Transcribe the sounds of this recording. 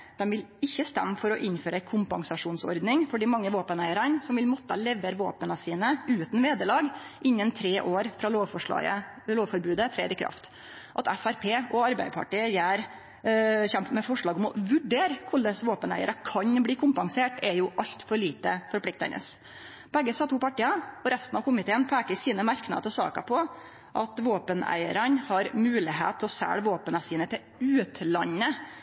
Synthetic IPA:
d̪̥ɛmʋɪlɪçːəst̪ɛ̰mːfɔɾɔʔɪnføːɾəæɪkʰʊmpɑŋsɑʂuːnsɔ̰ɾd̪nɪŋfɔɖiːmɑŋːəʋoːpənæɪəɾənsɔmʋɪlmɔt̪ːəlɛʋeːɾʋoːpənəsiːnəʉːt̪nʋeːd̪əlɑːɡ | ʔɪnːənt̪ʰɾeːʔoːɾfɾɑːloːʋfɔʂɑ̰ə̰ | loːʋfɔɾbʉːd̪ət̪ʰɾeːd̪ɪkʰɾɑ̰ft̪ | ʔɑt̪ɛfæɾpʰeːɔɑɾbæɪpʰɑ̰ʈiːəjæːɾ | çɛmp̪mɛfɔʂɭɑːɡɔmɔʋʉɖeːɾkʰʊɭəsʋoːpənæ̰ɪə̰ɾəkʰɑɲbliːkʰʊmpɑŋseːʈɛjʊʔɑʎt̪fɔɭiːt̪əfɔɾpʰlɪk̚t̪ɛ̰nə̰s | bɛɡːəsɑːt̪ʰuːpɑʈːiːɑɔɾæst̪nɑʋkʰʊmɪt̪ʰeːnpʰæːkəɾsiːnəmæɾknɑ̰d̪ət̪əsɑ̰ːkɑ̰pʰɔ | ʔɑt̪ʋoːpənæ̰ɪə̰ɾənhɑɾmʉːlɪɦḛːt̪ʰːɔsæ̰ːɽʋoːpənɑsiːnət̪ʰɪl | ʉːt̪ʰlɑnːə

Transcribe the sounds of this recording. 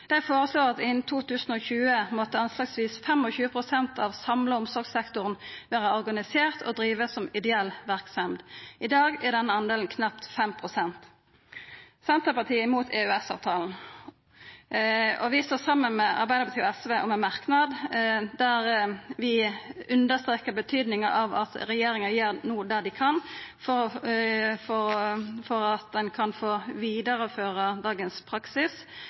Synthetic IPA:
d̪̥æɪfoːʁəsloːʁɑt̪ɪnt̪ʰuːt̪ʉːsn̩ɔçʉːəmɔt̪ːəɑnslɑɡsʋiːsfɛmɔçʉːəpʰʁʊsɛnt̪ʰɑʋsɑmləʊmsɔʁɡsɛkt̪ʊʁnʋæːʁəɔʁɡɑnɪseːʁt̪ʰɔ̰d̪ɾiːʋəsɔmɪd̪ɛɛlːʋæʁksɛmd̪ʔɪd̪ɑːɡæʁd̪ɛnːəɑnd̪eːln̩kʰnɑp̚t̪fɛmpʰʁʊsɛnt̪ | sɛnt̪ʁəpɑʁt̪ʰiːəɪmuːt̪ʰeʉɛsɑ̰ːʋt̪ʰɑːln̩ | ɔʋɪst̪oːsɑmːənmɛʔɑ̰ɾbæɪd̪əpʰɑt̪iːɔɛsʋeʔɔ̰mɛnmɑʁknɑd̪d̪æɾʋɪʉnd̪əst̪ɾeːkəbət̪ʰyːd̪nɪŋəʔɑʋɑt̪ɾɛjeːɾɪŋənjeːɾnuːd̪æd̪ɪkʰɑnfɔɾ | fɔfɔɾɑt̪̚d̪ɛnkʰɑnfoːʋiːd̪əɾəføːʁəd̪ɑːɡənspʰɾɑksɪs

